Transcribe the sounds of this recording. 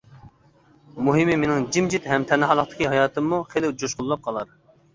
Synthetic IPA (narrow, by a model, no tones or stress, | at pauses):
muɦɪmɪmenɪŋd͡ʒimd͡ʒit̪hɛmt̪ʰɛnːɨɦɑlˠəχt̪ɨ̥kʲiɦɑjɑːt̪ɨmːuχelɪwd͡ʒoʃqʊlˠːɑp̚qʰɑlˠɑɾ